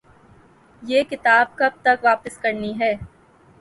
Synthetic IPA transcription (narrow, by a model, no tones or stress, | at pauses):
jeːkɪt̪aːb̚kɐb̚t̪ɐkʋaːpəskɐɾniɦɛː